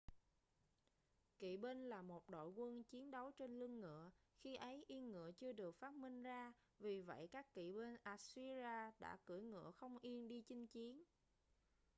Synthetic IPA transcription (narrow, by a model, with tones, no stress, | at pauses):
kḭ˧˨ɓe˧nlaː˨˩mo˨˩t̚ɗo̰˧˨jkwə˧nt͡ɕi˨˦ənɗə˨˦wt͡ɕe˧nlɨ˧əŋːɨ̰˧˨əxi˧ʔə˨˦jʔi˧ənŋɨ̰˧˨ət͡ɕɨ˧əɗɨ˨˩ək̚faː˦˥t̚mï˧ŋ̟zaː˧ | vi˨˩və̰˧˨jkaː˦˥kːḭ˧˨ɓe˧nʔaː˧˩si˧zaː˧ɗa̰ː˧˥kɨ˧˩jŋɨ̰˧˨əxə˧wŋ͡mʔi˧ənɗi˧t͡ɕï˨˦ŋ̟t͡ɕi˨˦ən